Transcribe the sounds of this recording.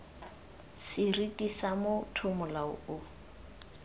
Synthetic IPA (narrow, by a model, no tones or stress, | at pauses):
sɪritʼisamʊtʰʊmʊlaʊ̰ʊ